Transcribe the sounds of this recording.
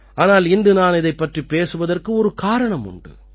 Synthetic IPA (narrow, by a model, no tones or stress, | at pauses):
ʔaːnaːlɪnd̪ɯnaːnɪðɐɪpːɐʈripːeːsɯʋɐðɐrkɯɔɾɯkaːɾɐɳɐmʊ̰ɳɖɯ̰